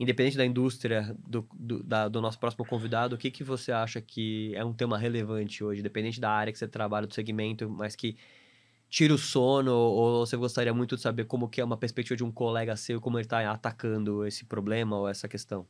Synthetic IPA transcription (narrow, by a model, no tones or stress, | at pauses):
ĩd̪epẽd̪ẽt͡ʃɪd̪ɐĩd̪ust̪ɾiɐd̪ʊd̪ʊd̪ɐd̪ʊnɔsʊ̥pɾɔsimʊkõvid̪ad̪ʊːkɪkɪvoseaʃɐkʰɪɛũt̪̬ẽmɐɦelevɐ̃nt͡ʃɪoʒɪĩd̪epẽd̪ẽt͡ʃɪd̪ɐaɾjɐkɪ̥set̪ɾabaʎɐd̪ʊseɡimẽnt̪ʊmɐskɪ | t͡ʃiɾʊsõnʊovoseɡost̪aɾiɐmũj̃t̪ʊd͡ʒɪsabeɾkõmʊkɪɛũmɐpeɾspek̚t͡ʃivɐd͡ʒɪũkolɛɡɐsewɪkõmʊelɪt̪aat̪akɐ̃nd̪ʊesɪ̥pɾoblẽmɐoɛsɐkest̪ɐ̃w̃